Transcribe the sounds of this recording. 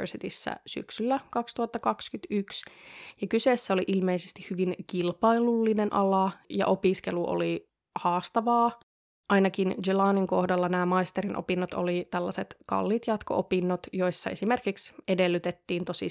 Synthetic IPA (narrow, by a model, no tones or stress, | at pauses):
rsit̪isːæ̰sy̰ksylːækɑkst̪uhɑt̪ːɑkɑkskyt̪yksjɑkyseːsːæoliʔilmeisest̪ihhyʋiŋkilpɑilulːinenʔɑlɑjɑ̰ʔo̞piskeluʔo̰li | hɑːst̪ɑʋɑː | ʔɑinɑkind͡ʒelɑːniŋko̞hdɑlːɑnæːmɑist̪eɾinʔo̰pinːot̪o̰lit̪ælːɑset̪kɑ̰lːit̪jɑt̪ko̰ʔopinːot̪jo̞isːɑe̞simerkiksedelːyt̪et̪ːiːnt̪osi